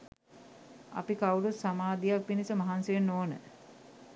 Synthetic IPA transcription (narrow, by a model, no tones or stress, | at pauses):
a̰pikawuɾut̪samaːd̪ijakʋinisəmaɦansəjenːoːnə̰